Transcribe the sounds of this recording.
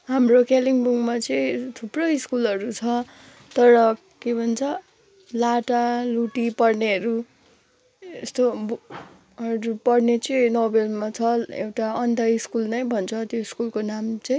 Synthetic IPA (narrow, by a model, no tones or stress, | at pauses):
ɦamrokʰeliŋbuŋmat͡sʌĩt̪ʰuprʌiskulʌɾut͡sʰʌ | t̪ʌɾʌ | kebʱʌnt͡sʰʌ | laʈaluʈipʌrneʌɾu | est̪ob | ɦʌɾupʌɽnet͡sʌinobelmat͡sʰʌḛwʈaʌnd̪ʱaiskulnʌjbʱʌnt͡sʰʌt̪joiskulkonamt͡sʌĩ